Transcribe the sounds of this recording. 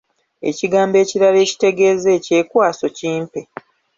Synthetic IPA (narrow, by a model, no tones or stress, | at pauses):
e̞̰ciɡaːmbe̞ːciɾale̞ːci̥te̞ɡe̞ːzeːce̞ːkwaːso̞ciːmpe